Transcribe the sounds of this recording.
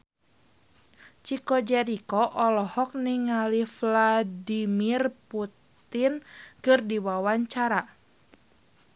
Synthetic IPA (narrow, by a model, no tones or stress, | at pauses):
t͡ʃikɔd͡ʒɛɾikɔʔɔlɔhɔk̚niŋalifladimirput̪ | inkɨrdiwawaɲt͡ʃaɾa